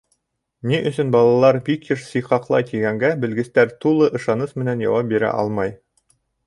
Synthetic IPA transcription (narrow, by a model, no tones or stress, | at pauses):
niʔɵ̆sɵnbɑlˠɑlˠɑɾbikjɘʃsiqɑqlˠɑ̰jt̪iɡæŋɡæbɘ̆lɡɘ̆st̪æɾt̪ulˠɤʔɤ̆ʃɑnɤsmɘ̆nænjɑ̰wɑp̚biɾæ̰ʔɑ̰lˠmɑj